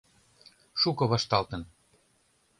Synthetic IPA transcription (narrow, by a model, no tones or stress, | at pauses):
ʃukɤ̆βɑʃt̪ɑlt̪ə̆n